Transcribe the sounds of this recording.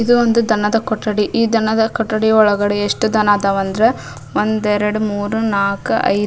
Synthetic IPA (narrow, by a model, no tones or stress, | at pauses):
id̪uond̪ud̪ʱɐnɐd̪ɐkɔʈːɐɽiʔiːd̪ʱɐnɐd̪ɐkɔʈːɐɽiɔɭɐɡɐɽeeʂʈud̪ɐnaːd̪aʋɐnd̪ɐɾe | ʋond̪ɛɾɐɽumuːɾunaːkuɐ̰j